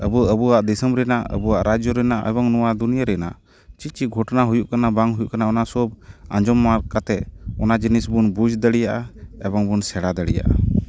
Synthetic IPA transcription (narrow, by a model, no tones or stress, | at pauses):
əbuəbuwaʔd̪ɛsəmɾɛnaə̰buwaʔɾad͡ʒɔɾɛnaʔɛ̰bɔŋnɔwad̪unijaɾɛna̰ | t͡ʃit͡ʃiɡʱɔʈnaɦujuʔkanabaŋɦujuʔkanaɔnasɔba̰d͡ʒɔmːaɾkat̪ɛʔɔnad͡ʒinisbunbud͡ʒd̪əɽijaʔaɛbɔŋbunsɛɽad̪əɽija̰ʔa̰